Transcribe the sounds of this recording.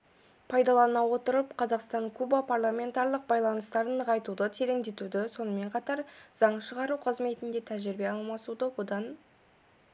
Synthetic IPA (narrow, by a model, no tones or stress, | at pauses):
pʰɑjd̪ɑlˠɑnɑwo̞t̪əɾəpqʰɑzɑqst̪ɑɴkʰubapʰarlˠamʲe̞nt̪ɑɾlˠəq̚bɑjlˠɑnəst̪ɑɾəɴʰɑjt̪ud̪ət̪ʰe̞ɾe̞ŋd̪e̞t̪ud̪ɪso̞nəme̞ɴqʰɑt̪ɑɾz̥ɑɴʃəʁɑɾuqʰəzme̞t̪ɪnd̪e̞t̪ʰæʒɪɾbe̞ɑlˠmɑsud̪əwo̞d̪ɑn